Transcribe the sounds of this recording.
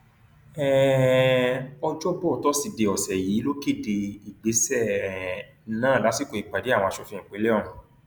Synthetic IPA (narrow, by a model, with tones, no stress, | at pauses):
ɛ˦˨ | ɔ˧d͡ʒɔ˦bɔ˦˨tɔ˦si˧˨de˧˨ɔ˨sɛ˨jiː˨˦lo˦ke˦˨de˧i˨ɡ͡be˨˦sɛ˦˨˦ | nãː˦˨la˨˦si˦˨ko˧i˨k͡pa˨de˨˦a˦˨w̃ɔ̃˧˨ʃɔ˧˦fĩ˦ĩ˨k͡pe˨˦le˦ɔ˦˨ũ˨